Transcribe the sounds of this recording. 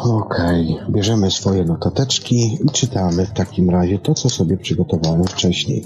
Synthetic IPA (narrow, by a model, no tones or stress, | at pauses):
ɔkʰɛjbʲjɛʐɛmɘsfɔjɛnɔt̪at̪ɛt͡ʂkʲiit͡ʂɘt̪amɘft̪akʲimɾaʑɛt̪ɔt̪sɔsɔbʲjɛpʂɘɡɔt̪ɔvawɛmft͡ʂɛɕɲḛj